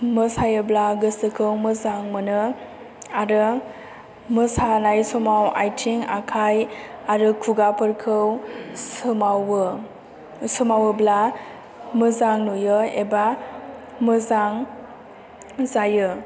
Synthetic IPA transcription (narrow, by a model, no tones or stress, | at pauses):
mɯsajɯblaɡɯsɯkʰɯwmɯzaŋmɯnɯ | aɾɯ | mɯsanajsɔmawa̰jtʰiŋa̰kʰajaɾɯkʰuɡapʰɯɾkʰɯw | ma | sɯmawɯbla | mɯzaŋnujɯeba | mɯzaŋ | zajɯ